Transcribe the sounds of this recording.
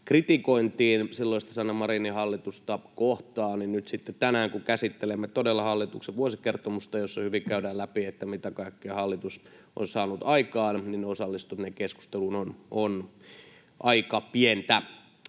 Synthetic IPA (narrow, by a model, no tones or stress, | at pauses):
krit̪ikoint̪iːnsilːoist̪ɑ̥sɑnːɑmɑrinihɑlːit̪ust̪ɑkoht̪ɑːnninnyt̪sit̪ːett̪ænæːŋkukæsit̪ːelemːet̪odelːɑhɑlːit̪ukseʋuosikert̪omust̪ɑjosːɑhyʋikæydæːlæpiet̪ːæmit̪ækɑikːeɑhɑlːit̪us | ʔo̰nsɑːnut̪ɑikɑːnninneosɑlːist̪ut̪nekesku̥st̪elunonon | ʔɑikɑpient̪æ